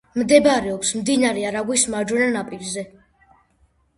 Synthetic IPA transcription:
md̪ɛbaɾɛɔkʰsmd̪inaɾɛaɾaɡwismaɾd͡ʒwɛnanapʼiɾzɛ

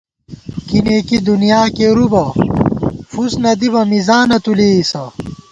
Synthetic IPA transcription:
kineːkid̪unijaːkeɾubɐ | fusnɐd̪ibɐmizaːnɐt̪uleːisɐ

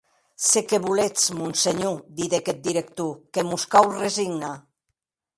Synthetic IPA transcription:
sekeβulet͡smunseɲud̪iðeket̪̚d̪iɾek̚t̪ukemuskawreziɣna

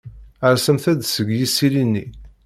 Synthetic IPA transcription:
əɾsəmθæd̪səɡjisilinːi

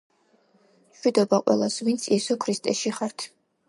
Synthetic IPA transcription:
mʃwid̪ɔbaqʼwɛ̰lˠasvint̪sʰiɛsɔkʰɾist̪ʼɛʃiχaɾt̪ʰ

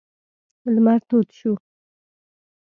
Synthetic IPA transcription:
lmaɾt̪ot̪ʃu

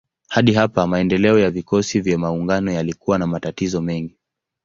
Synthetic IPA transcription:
haɗiɦapamaɛndɛlɛɔjavikɔsivjamauŋɡanɔjalikuwanamatatizɔmɛŋɡi

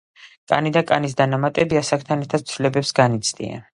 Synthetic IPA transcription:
kʼa̰nid̪akʼanis̬d̪anamat̪ʼɛbiasakʰt̪ʰanɛɾt̪ʰad̪̥̚sʰvilɛbɛpsɡanit̪sʰd̪ḭa̰n

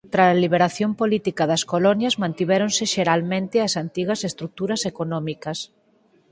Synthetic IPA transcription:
t̪ɾaliβ̞eɾaθjompolit̪ikɐðɐskolɔnjɐzmãnt̪iβeɾõnsɪʃeɾalmẽnt̪ɪɐsant̪iɣɐsest̪ɾuk̚t̪uɾɐsekonɔmikɐs

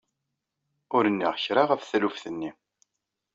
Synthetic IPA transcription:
ʊɾənːiʁçɾɑʁæfθælufθənːi

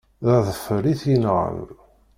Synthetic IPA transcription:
ðæðəfəɾiθjənʁə̰n

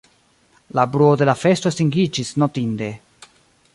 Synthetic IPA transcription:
labɾuode̞lafe̞stostiŋɡid͡ʒisnotind̪e̞

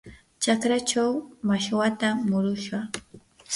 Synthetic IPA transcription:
t͡ʃakɾat͡ʃawmaʃwat̪amʊɾʊʃɢa

